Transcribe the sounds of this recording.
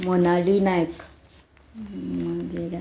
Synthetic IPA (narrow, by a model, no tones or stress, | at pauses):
monalinajk | maɡeɾa